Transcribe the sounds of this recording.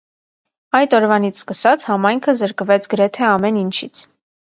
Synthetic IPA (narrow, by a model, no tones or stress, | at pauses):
ɑjt̪ɔɾvɑnit͡sʰskəsɑt͡sʰhɑmɑjŋkʰəzəɾkvɛt͡sʰɡəɾɛt̪ʰɛɑmɛnint͡ʃʰit͡sʰ